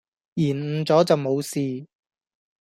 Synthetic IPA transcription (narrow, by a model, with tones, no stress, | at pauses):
jiː˨˩n̩˨˧t͡sɔː˨˥t͡sɐ˨wmo˨˧wsiː˨